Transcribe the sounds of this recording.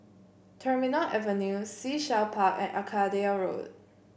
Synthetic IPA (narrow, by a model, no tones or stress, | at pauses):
tʰəminəlʔɛvə̃njusiʃalpʰakɛ̰̃nʔa̰kʰadiaɹo̰d